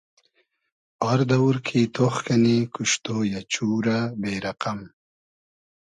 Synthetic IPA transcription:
ɔɾd̪ɐwuɾkʰit̪ʰoxkɐnekuʂt̪oːjat͡ɕuːɾabeːɾɐqam

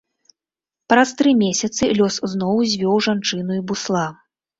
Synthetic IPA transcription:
pɾɐst̪ɾɨmʲesʲɐt̪sɨlʲɔsznɔwzʲvʲɔwʐant͡ʂɨnuibuslˠa

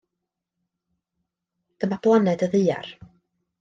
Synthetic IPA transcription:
d̪̥əmab̥lˠanɛdəðɨːa̰r

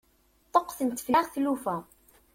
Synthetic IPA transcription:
t̪ˤːoqθənt̪ːflaʁθlufæ

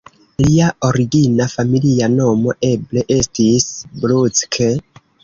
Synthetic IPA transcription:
liao̞ɾiɡinafamiliano̞mo̞ʔe̞ble̞ʔe̞stisblut͡skʰe

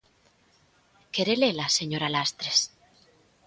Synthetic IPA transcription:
keɾelelaseɲoɾalast̪ɾes

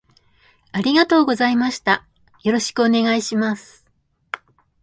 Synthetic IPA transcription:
aɾʲiɡat̪o̞ːɡo̞zaimaɕi̥t̪a | jo̞ɾo̞ɕi̥kɯ̟o̞ne̞ɡaiɕimasɨ̥

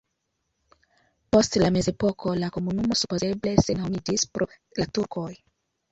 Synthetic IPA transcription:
postlamezepokʰolakomunumosupozeble̞senomidispɾo | latuɾkoj

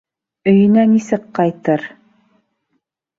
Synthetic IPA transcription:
ɵ̆jɘ̆nænisɘkqɑjt̪ɤɾ

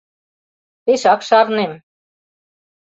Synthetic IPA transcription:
t̪eʃɑkʃɑɾnem

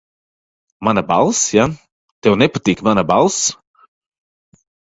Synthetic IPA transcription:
manabalˠsja | t̪ɛwnɛpat̪iːkmanabalˠs

